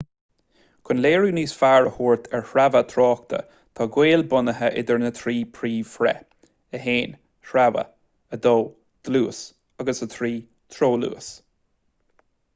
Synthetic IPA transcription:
kʰʊnleːɹuːniːsfaːɹəhuːɹt̪ʰɛɹhɾavət̪ʰɾɔːk̚t̪ʰə̰ | t̪ʰɔːɡweːlbʊnəɦəʔɪ̰d̪əɹnət̪ʰɾiːpʰɾiːfɾɛ̰ | əɦeːn | ʃɾavə̰ | əd̪oː | d̪̥əluːs | aɡəsət̪ʰɾiː | t̪ʰɾoːlṵːs

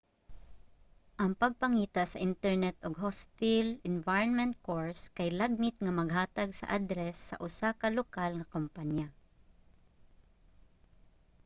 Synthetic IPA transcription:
ʔɐŋpɐɡ̚pɐŋiːt̪asɐʔɪnt̪ɛɹnɛt̪oɡ̚ɦɔst̪ɪlɪnvajonmɛ̃nt̪̚koɹskɐjlaɡ̚mɪt̪̚ŋɐmɐɡɦaːt̪ɐɡsɐ̰ʔad̪ɾɛsːɐ̰ʔʊsakɐlokalŋɐkompanja

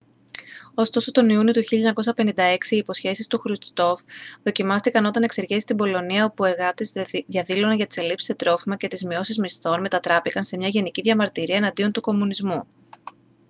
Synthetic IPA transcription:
o̞st̪o̞sot̪o̞niunio̞t̪uçiʎɐɲɐko̞sɐpe̞nind̪ɐe̞ksiːpo̞sçe̞sist̪uxɾust̪t̪o̞fðo̞cimɐst̪ikɐno̞t̪ɐne̞kse̞ɾʝe̞si̥st̪ibo̞lo̞niɐo̞pue̞ɾɣɐt̪izðjɐðilo̞nɐʝɐt̪i̥se̞lipsi̥se̞t̪ɾo̞fimɐce̞t̪izmio̞sizmist̪o̞nme̞t̪ɐt̪ɾɐpikɐnse̞mɲɐʝe̞niciðʝɐmɐɾt̪iɾiɐenɐnd̪io̞nt̪uko̞munizmu

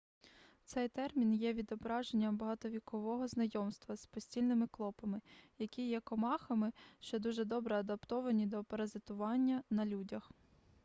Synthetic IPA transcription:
t̪sɛjt̪ɛrmʲinjɛʋʲid̪ɔbɾɑʒenʲːɐmbɐɦɑt̪ɔʋʲikɔʋɔɦɔznɐjɔmst̪ʋɐspɔsʲtʲilʲnɪmɪklˠɔpɐmɪjɐkʲijɛkɔmɑxɐmɪʃt͡ʃɔd̪uʒɛd̪ɔbɾɛɐd̪ɐpt̪ɔʋɐnʲid̪ɔpɐɾɐzɪt̪ʊʋɑnʲːɐnɐlʲudʲɐx

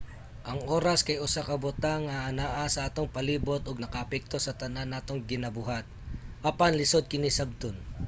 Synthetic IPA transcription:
ʔɐŋʔo̞ːɾɐskɐjʊsakɐbʊt̪aŋɐʔɐnaʔasɐʔaːt̪oŋpɐliːbo̞t̪oɡnɐkɐɐpɛk̚t̪o̞sɐt̪ɐnanːaːt̪oŋɡɪnɐbʊɦat̪̚ʔɐpanlɪso̞d̪̚kɪnisɐb̚t̪on

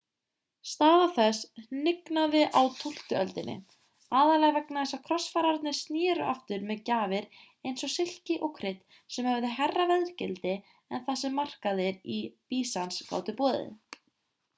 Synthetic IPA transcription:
st̪aːðawθɛsnɪknaðɪʔawt̪ʰul̥t̪ʏœlt̪ɪnːɪ̰ | aːðalɛɣavɛknaθɛsːakʰɾɔsfaːɾaɾt̪nɪ̥st̪njɛːɾʏ̰ʔa̰ft̪ʏɾmɛðcaːvɪɾ | ejnsɔsɪl̥cɪʔɔwkʰɾɪt̪ | sɛmhɛvðɪɦɛrːavɛðɾ̥cɪlt̪ɪ | ɛnθasɛmːar̥kaðɪɾipiːsanska̰ːwt̪ʏpɔːðɪ̰

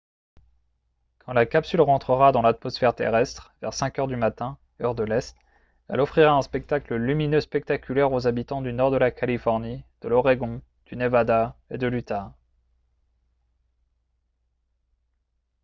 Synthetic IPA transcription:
kʰɑ̃lakapsylʁɑ̃t̪χəʁad̪ɑ̃lat̪mɔsfɛʁt̪ḛʁɛst̪χvɛʁsɛ̃kʲœʁd̪ymat̪ɛ̃ | œʁd̪əlɛst̪ | ɛ̰lɔfχiʁaɛ̃spɛk̚t̪akləlyminøspɛk̚t̪akʲylɛʁozabit̪ɑ̃d̪ynɔʁd̪əlakʰalifɔʁnid̪̥əlɔʁeɡɔ̃ | d̪̥ynevad̪aed̪əlyt̪a

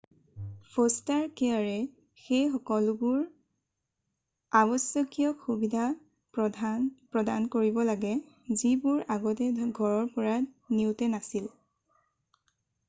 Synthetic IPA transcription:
pʰostaɹkɛaɹɛ | xejxɔkɔlʊbʊɹ | aβɔsjɔkijɔxubidʱa | p | pɹɔdankoɹibɔlaɡɛ | zibuɹaɡɔtɛɡʱɔɹɔɹpɔɹaniʊtɛnasil

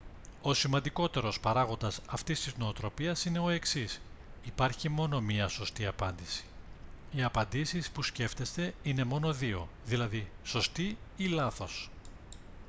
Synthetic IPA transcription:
o̞simɐnd̪iko̞t̪e̞ɾo̞spɐɾɐɣo̞nd̪ɐsɐft̪ist̪izno̞ːt̪ɾo̞piɐsine̞o̞e̞ksisipɐɾçimo̞no̞miɐso̞st̪iɐpɐnd̪isi̥iɐpɐnd̪isispusce̞ft̪e̞st̪e̞ine̞mo̞no̞ðio̞ðilɐðiso̞st̪iilɐθo̞s

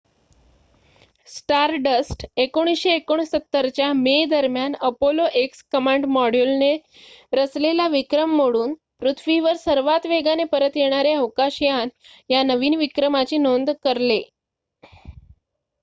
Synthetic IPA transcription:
sʈaɾɖəsʈekoɽ̃isɕeːkoɳ̃isət̪ːəɾt͡ɕjamed̪əɾmjanəpoloʔekskəmaɳɖmɔɽjulne | ɾəslelaʋikɾəmːoɽuːn | pɾut̪ʰʋiʋəɾsəɾʋat̪ʋeɡanepəɾət̪jeɽ̃aɾeəʋkaɕjan | janəʋiːnʋikɾəmat͡ɕiːnond̪kəɾle

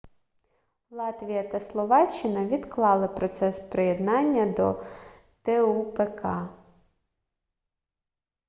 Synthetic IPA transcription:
lˠɑt̪ʋʲijɐt̪ɐslˠɔʋɑt͡ʃːɪnɐʋʲid̪klˠɑlˠɪpɾɔt̪sɛspɾejed̪nɑnʲːɐd̪ɔ̰ | t̪ɛupekɑ

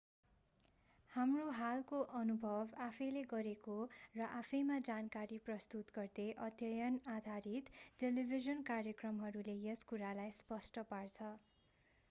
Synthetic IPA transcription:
hamroɦalkoʔʌnubʱʌbapʰʌjleɡʌɾekorʌʔapʰʌjmad͡zankaɾiprʌst̪ut̪ɡʌrd̪eʔʌd̪jʌjʌnad̪ʱaɾit̪ʈelibʱizʌnkarjʌkrʌmɦʌɾulejeskuɾalajspʌsʈʌpart͡sʰʌ

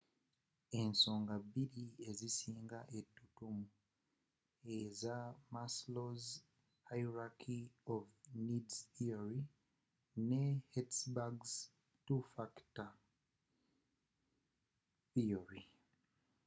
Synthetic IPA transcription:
e̞nso̞ːŋɡabːiɾie̞zisiːŋɡaʔe̞tːutumu | ezamasloz | ajɾakʰiovnidsθioɾi | nehetsbaɡz | tufakta | θioɾi

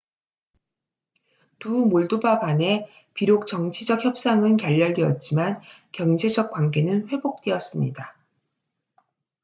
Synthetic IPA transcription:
tumoɭdobaɡane̞ | piɾok̚t͡ɕʌŋt͡ɕʰid͡ʑʌk̚çjʌp̚s͈aŋɯnkjaʎːʌɭɡiʌt̚t͡ɕ͈iman | kjʌŋd͡ʑʰed͡ʑʌk̚k͈wanɡe̞nɯnɸwe̞bok̚t͈weʌs͈ɯmɲḭda

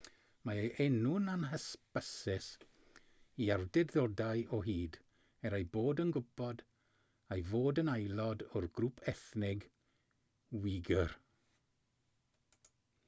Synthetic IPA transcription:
maeʔɛnʊnanɦəspəsɪs | iardɛdðɔdajɔɦiːd | ɛɾajboːdənɡʊbɔd | ajvoːdənajlˠɔdʊrɡruːpʰɛθnɪɡ | wɪɡər

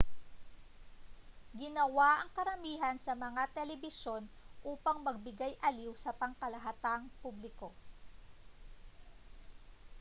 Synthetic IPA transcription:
ɡɪnɐwaʔɐŋkɐɾɐmiːɦɐnsɐmɐŋat̪ɛlɛbɪʃo̞n | ʔuːpɐŋmɐɡ̚bɪɡajʔɐliwsɐpɐŋkɐlɐɦat̪aŋpublɪko̞

